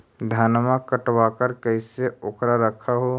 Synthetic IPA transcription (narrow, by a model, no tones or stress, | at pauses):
d̪ʱaːnmãkəʈwakəɾkəiseoːkɾaɾəkʰaɦo